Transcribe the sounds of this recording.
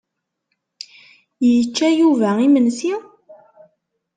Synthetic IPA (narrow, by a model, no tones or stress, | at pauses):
jət͡ʃːæjuvæimənsi